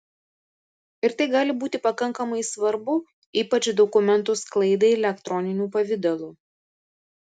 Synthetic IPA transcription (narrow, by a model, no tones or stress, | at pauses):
ɪɾt̪ɐɪɡɑːlʲɪbuːt̪ʲɪpɐkɐŋkɐmɐɪsʋɐɾbʊ | iːpɐt͡ʃd̪ɔkʊmʲɛnˑt̪ʊsklˠɐɪd̪ɐɪɛlʲɛkt̪ɾɔnʲɪnʲuːpɐʋʲɪd̪ɐlˠuː